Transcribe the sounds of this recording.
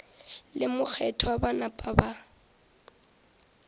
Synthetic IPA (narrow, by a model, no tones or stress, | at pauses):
lɪmʊk͡xʰɛtʰɔabanapʼaba